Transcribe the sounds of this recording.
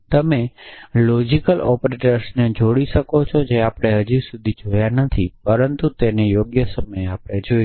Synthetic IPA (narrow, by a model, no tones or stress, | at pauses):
t̪əmelɔd͡ʒikəlɔpɾeʈəɾsned͡ʒoɽiʃəkot͡ʃʰɔd͡ʒeapɽ̃eɦəd͡ʒisud̪ʱid͡ʒojanət̪ʰipəɾənt̪ut̪enejoɡjəsəməjapɽed͡ʒo